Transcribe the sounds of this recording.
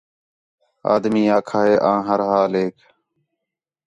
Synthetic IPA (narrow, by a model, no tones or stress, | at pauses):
a̰ːd̪miːaːkʰaːɦeːʔãːɦəɾɦaːleːkʰ